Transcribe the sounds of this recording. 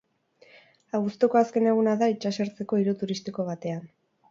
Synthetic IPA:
aɣust̪oko̞aske̞ne̞ɣ̞unaðait͡ʃaseɾt͡se̞ko̞iɾut̪uɾist̪iko̞β̞at̪e̞an

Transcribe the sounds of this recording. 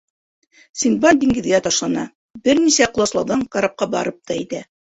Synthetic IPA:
sʲinbɑnd̪iŋɡɘ̆ðɡæt̪ɑʃlˠɑnɑ | bɘɾnisæqŏlˠɑslˠɑwðɑŋkaɾap̚qɑbɑ̰ɾɤp̚t̪ʰɑet̪æ

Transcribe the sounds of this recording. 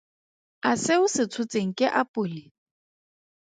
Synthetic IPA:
asɪʊsɪt͡sʰʊt͡sʼeŋ̩kʼɪʔapʼʊːlɪ

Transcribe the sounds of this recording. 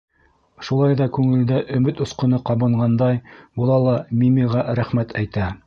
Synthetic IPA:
ʃulˠɑjðɑkʉŋɘ̆ld̪æʔɵ̆mɘt̪ŏsqɤ̆nɤqɑβɤ̆ɴɢɑnd̪ɑjbŭlˠɑlˠɑmʲimʲiʁɑɾæχmæt̪ʰæjt̪æ

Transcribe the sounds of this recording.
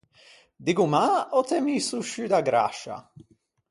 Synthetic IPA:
d̪iɡumaɔt̪ʰɛmiːsuʃyd̪aɡɾa̰ʃa̰

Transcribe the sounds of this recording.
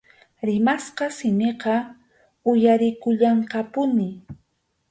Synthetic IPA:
ɾɪmasqɑsɪmeqɑ | ʊjaɾɪkʊʎɑɴqɑpʊnɪ

